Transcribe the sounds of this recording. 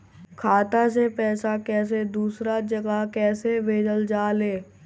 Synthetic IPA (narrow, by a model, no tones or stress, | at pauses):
kʰaːt̪asepɛːsakɛːs̬ed̪uːsɾad͡ʒɐɡakɛːsebʱeːd͡ʒəld͡ʒaːleː